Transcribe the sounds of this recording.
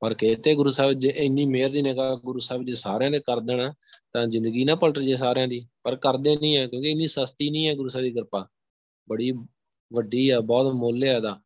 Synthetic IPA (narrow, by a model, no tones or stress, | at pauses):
pəɾkɪt̪ʰːeːɡʊɾuːsɛːbd͡ʒeʔɪniːmeːɾd̪iːnẽːkaːɡʊɾuːsɛːbd͡ʒeːsaːɾeãːt̪eːkəɾd̪eːnaːt̪ãːzɪ̃nd̪əɡiːnãːpəlʈəɾd͡ʒeːs̬aːɾeãːd̪iːpəɾkəɾd̪eːnĩːɛːkjõːkeɪnːiːsəst̪iːnĩːɛːɡʊɾuːsɛːd̪iːɡəɾpaː | bəɽiː | ʋəɖiːɛːbɔːt̪moːlːeːɛːd̪aː